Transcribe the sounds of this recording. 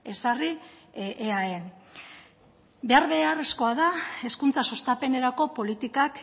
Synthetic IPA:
e̞sariʔeaen | be̞aɾβe̞are̞sko̞aðae̞skunt͡sasost̪ape̞ne̞ɾako̞po̞lit̪ikak

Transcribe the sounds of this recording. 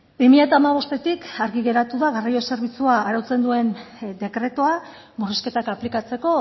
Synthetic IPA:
bimiʎat̪aːmaβ̞o̞st̪e̞t̪ikaɾɣiɣe̞ɾat̪uðaɣarajo̞se̞ɾβ̞it͡suaːɾawt͡se̞nd̪ue̞nd̪e̞kɾe̞t̪oa | muriske̞t̪akaplikat͡se̞ko̞

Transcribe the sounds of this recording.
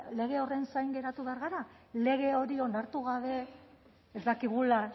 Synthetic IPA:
le̞ɣ̞e̞o̞re̞nsajŋɡe̞ɾat̪uβe̞aɾɣaɾa | le̞ɣ̞e̞o̞ɾio̞naɾt̪uɣaβ̞e̞ | ezd̪akiɣ̞ula

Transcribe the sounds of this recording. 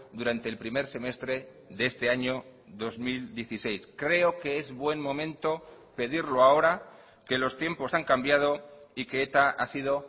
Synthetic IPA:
d̪uɾant̪e̞ːlpɾime̞ɾse̞me̞st̪ɾe̞ | ðest̪e̞aɲo̞ðo̞zmild̪je̞θise̞jskɾe̞o̞ke̞ezβwe̞nmõ̞mẽnt̪o̞ | pe̞ðiɾloao̞ɾa | ke̞lo̞st̪je̞mpo̞saŋkambjað̞o̞ikeet̪aasið̞o̞

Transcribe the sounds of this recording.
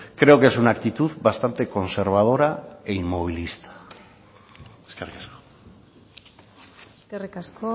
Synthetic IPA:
kɾe̞oke̞sunakt̪it̪uðbast̪ant̪e̞ko̞nse̞ɾβ̞að̞o̞ɾaeimmo̞β̞ilist̪ḁ | eskerikasko̥ | eskerikasko

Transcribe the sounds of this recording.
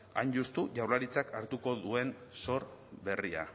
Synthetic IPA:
a̰jnʝust̪uʝawɾlaɾit͡sakaɾt̪uko̞ðue̞nso̞ɾβe̞ria̰

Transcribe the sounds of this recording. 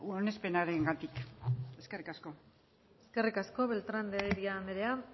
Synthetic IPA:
one̞spe̞naɾe̞ŋɡat̪ike̞ske̞rikasko̞ | eske̞rikasko̞βe̞lt̪ɾand̪eeɾiame̞ɾe̞a

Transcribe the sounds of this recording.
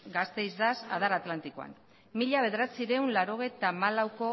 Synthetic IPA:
ɡast̪e̞jzðasa̰ðaɾat̪lant̪ikoa̰n | miʎaβ̞eðeɾat͡siɾe̞unlaɾo̞ɣ̞e̞jt̪amalawko̞

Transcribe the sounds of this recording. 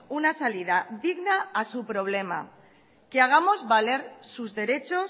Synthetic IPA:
unasalið̞aðiɣnaːsupɾo̞β̞le̞ma̰ | keaɣ̞amo̞zβale̞ɾsuzðe̞ɾe̞t͡ʃo

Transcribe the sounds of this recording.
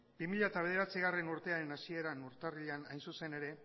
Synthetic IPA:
b̥imiʎat̪aβe̞ð̞e̞ɾat͡siɣ̞are̞nuɾt̪e̞aɾe̞nasie̞ɾanuɾt̪ariʎanajnsuse̞ne̞ɾe̞

